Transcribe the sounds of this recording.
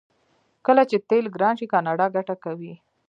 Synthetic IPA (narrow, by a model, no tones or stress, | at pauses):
kəlat͡ʃet̪elɡɾɑnʃikɑnɑɖɑɡaʈakawi